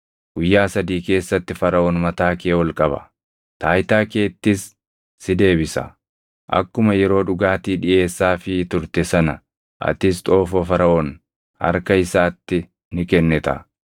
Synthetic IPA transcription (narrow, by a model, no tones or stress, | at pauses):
ɡ̥ʊjːaːsɐd̪iːke̞ːsːɐt̪ːɪfɐɾɐʔɔːnmɐt̪aːkeːwɔlkʼɐbɐ̰ | t̪aːjt̪aːke̞ːt̪ːɪsː | ɪd̪e̞ːbɪsɐ̰ | ʔɐ̰kːʊmɐjɛɾo̞ːᶑʊɡaːt̪iːᶑɪʔe̞ːsːaːfɪt̪ʊɾt̪ɛsɐnɐ | ʔɐ̰t̪ɪst̪ʼo̞ːfɔfɐɾɐʔɔn | hɐ̰ɾkɐɪsaːt̪ːɪ | nɪkɛnːɛt̪ɐ̰